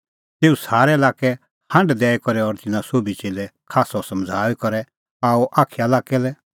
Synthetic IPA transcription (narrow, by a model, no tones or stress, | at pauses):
t̪eːusaːɾɛɐlaːkɛ | hɐ̃ɳɖd̪ɛːɛkɔɾɛɔɾt̪ɪnãsoːbit͡ʃeːlɛkʰaːsɔsɐ̃md͡zʱaːwikɔɾɛ | aːuʔaːkʰijalaːkɛlɛ